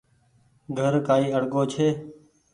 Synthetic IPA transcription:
ɡʱəɾkaːiːəɽɠoːt͡ʃʰeː

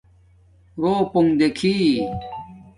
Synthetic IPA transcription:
ɾoːpoŋd̪ekʰi

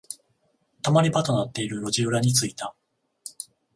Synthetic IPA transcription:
t̪amaɾʲibat̪o̞nat̪ːe̞iɾɯ̟ɾo̞ʑiɯɾaɲ̟it͡sɨit̪a

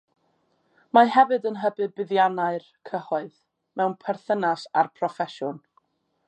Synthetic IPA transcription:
maɦɛvɨdənɦəbɨðbɪðjanaɨr | kʰəhɔɨð | mɛwnpʰɛrθənasarpʰrɔfɛʃʊn

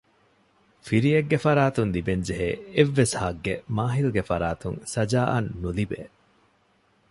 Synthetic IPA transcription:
fiɾieɡːefɐɾaːt̪unlibeɲd͡ʒeɦeːeʋːeshɐɡːemaːɦiluɡefɐɾaːt̪uŋsɐd͡ʒaːʔɐnːulibḛː

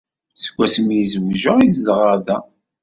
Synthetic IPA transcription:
sə̥ɡʷːæsəmjizəwʒəʁizd̪ʁəðæ

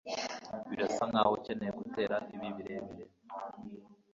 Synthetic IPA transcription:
βidasaŋɡahoceneeɡute̞ːɾaʔiβiβiɾeβiɾe

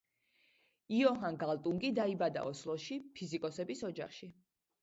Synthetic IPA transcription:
iɔɦanɡalˠt̪ʼuŋɡid̪aibad̪a̰ɔslˠɔʃipʰizikʼɔsɛbisɔd͡ʒaχʃi

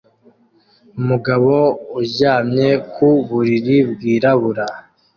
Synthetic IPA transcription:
umuɡaβouɟaːmɲekʰuβuɾiɾibɡiːɾaβuɾa

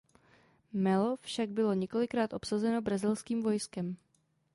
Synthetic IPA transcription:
mɛlo̞fʃaɡ̚bɪlo̞ɲɛko̞lɪkɾaːt̪ʔo̞psazɛno̞bɾazɪlskiːmvo̞jskɛm

